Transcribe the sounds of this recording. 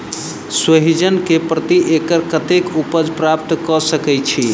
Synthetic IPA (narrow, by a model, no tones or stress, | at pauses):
swəɦid͡ʒənkepɾət̪iʔekəɾkət̪ekupəd͡ʒpɾap̚t̪kɔsəkɛt͡ʃʰi